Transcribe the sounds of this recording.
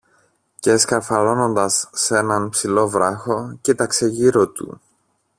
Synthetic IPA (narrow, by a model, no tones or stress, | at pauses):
ceeskɐɾfɐlo̞no̞nd̪ɐsːe̞nɐnpsilo̞vɾɐxo̞cit̪ɐkse̞ʝiɾo̞t̪ṵ